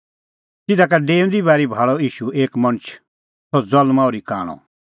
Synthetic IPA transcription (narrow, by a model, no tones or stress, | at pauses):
tɪd̪ak̬aɖeːʊ̃nd̪ibaːɾibʱaːɭɔiːʃueːkmɐñt͡ʃʰ | sɔd͡zɔlmaoːɾika̰ːɽ̃ɔ̰̃